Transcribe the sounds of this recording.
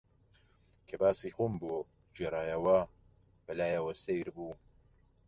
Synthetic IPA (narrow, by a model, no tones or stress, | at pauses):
kʰɐbaːsiːxumbo | d͡ʒeɾˤaːjɐwɐ | b̥ɐlaːjɐwɐsejɾbuː